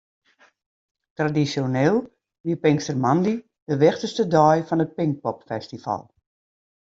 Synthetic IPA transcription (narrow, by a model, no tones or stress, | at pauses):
tradisjoneːlˠ | ʋiəpɪŋstərmandi | dəʋɪxtəstədɔjfɔnət̚pɪŋk̚pɔpfɛstifa̰lˠ